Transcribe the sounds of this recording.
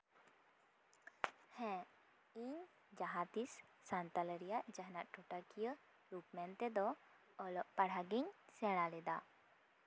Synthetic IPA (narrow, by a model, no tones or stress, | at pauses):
hɛ̃ | iɲ | d͡ʒaɦat̪isːant̪aləɾijaʔd͡ʒaɦnaʔʈʰoʈakijə | ɾupmɛnt̪ɛd̪ɔː | lɔʔpaɽ̤aɡiɲsɛɽ̃alɛd̪a